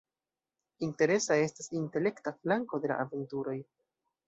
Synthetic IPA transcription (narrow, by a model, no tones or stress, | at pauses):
inte̞ɾe̞sae̞stasinte̞le̞ktaflaŋko̞de̞la̰ʔave̞ntuɾo̞j